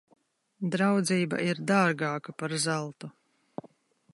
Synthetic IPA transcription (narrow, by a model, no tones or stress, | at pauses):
d̪ɾawd̪ziːba̰ʔiɾd̪aːɾɡaːkapaɾzalˠt̪u